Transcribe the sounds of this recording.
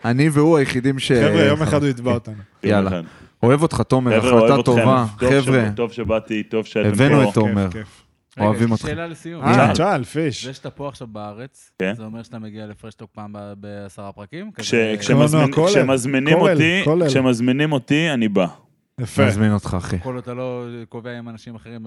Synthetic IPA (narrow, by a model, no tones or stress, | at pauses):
aniveuajeχid̪imʃeevʁejomeχad̪uitbaot̪anujjallaado̞evo̞t̪χat̪o̞mealatatovaevʁetovʃebat̪it̪ovʃeevvenuet̪aomeʁef | oavimo̞tχlalesijut͡ʃalfiʃeʃt̪apoaχʃavbaaʁet͡s | kenzeomeʁʃat̪ameɡialefʁeʃt̪ok̚paːmbbeasaʁapʁakimkaʃekʃenonkoklʃemazminimolikoleʃemazminimo̞t̪ianiba | jafezmino̞t̪χaːχekolatalokoveaimanaʃimaχeʁim